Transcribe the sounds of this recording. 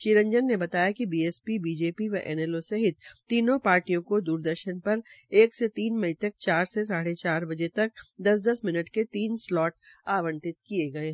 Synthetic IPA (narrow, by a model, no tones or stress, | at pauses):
ʃiːɾə̃ɲd͡ʒənːebɐt̪aːjakibiːeːspibiːd͡ʒeːpiʋɐʔɛ̰ːnɛːlosɐɦɪt̪̚t̪ːiːnõpaːɾʈijõkod̪uːɾd̪əɾʃənpɐɾeːkset̪iːnmɐɦĩt̪ɐk̚t͡ʃaːɾsesaːɽet͡ʃaːɾbɐd͡ʒet̪ɐk̚d̪ɐsd̪ɐsmɪnəʈket̪iːnslɔːʈ | aːʋə̃nt̪ɪt̪̚kieɡɐeː